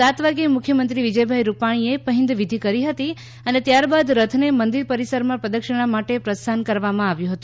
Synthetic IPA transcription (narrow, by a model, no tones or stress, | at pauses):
at̪ʋaɡemʊkʰjəmənt̪ɾiʋid͡ʒəjbʱaiɾupaɽ̃iepəɦɪ̃nd̪ʋid̪ʱikəɾiɦət̪i | ənet̪jaɾbad̪ɾət̪ʰnemənd̪iɾpəɾisəɾmãpɾəd̪əkʃəɽ̃amaʈepɾəst̪ʰankəɾʋamãaʋjũɦət̪ũ̥